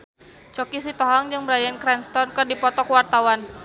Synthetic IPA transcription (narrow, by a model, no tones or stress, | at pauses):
t͡ʃɔkis̬it̪ɔɦɔŋd͡ʒɨŋbəɾajankɾɛnst̪ɔrnkɨrdipɔt̪ɔkwart̪awan